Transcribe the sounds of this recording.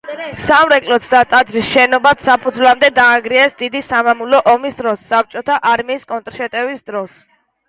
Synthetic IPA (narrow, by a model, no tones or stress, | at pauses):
samɾɛkʼlɔt̪sʰd̪at̪ʼad̪zɾisʃɛnɔbat̪sapʰud̪zlamd̪ɛd̪aːŋɡɾiɛsd̪id̪isamamulɔʔɔmisd̪ɾɔsːap̚t͡ʃʼɔt̪ʰaʔaɾmiːskʼɔnt̪ʼɾʃɛt̪ʼɛvisd̪ɾɔs